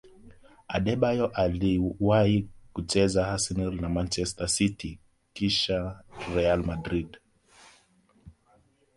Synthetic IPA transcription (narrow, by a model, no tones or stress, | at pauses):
aɗɛɓajɔʔaliwahikut͡ʃɛzahasinilnamant͡ʃɛstasiti | kiʃaɾɛalmadɾid